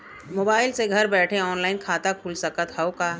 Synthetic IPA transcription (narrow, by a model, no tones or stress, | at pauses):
moːbaːɪlseɡʱɐɾbɛːʈʰẽɔːnlaːɪnkʰaːt̪akʰuːlsɐkət̪ɦɐokaː